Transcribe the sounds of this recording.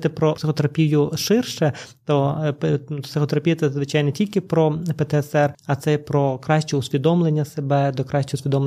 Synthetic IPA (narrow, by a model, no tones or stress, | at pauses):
t̪ɪpɾɔpsɪxɔt̪eɾɐpʲijʊʃɪrʃɛt̪ɔp̪psɪxɔt̪eɾɐpʲijɐt̪sɛzʋɪt͡ʃɑjnɛtʲilʲkɪpɾɔpɛt̪ɛɛsɛrɐt̪sɛpɾɔkɾɑʃʲt͡ʃɛʊsʲʋʲid̪ɔmlˠenʲːɐsebɛd̪ɔkɾɑʃʲt͡ʃɛʊsʲʋʲid̪ɔmlˠe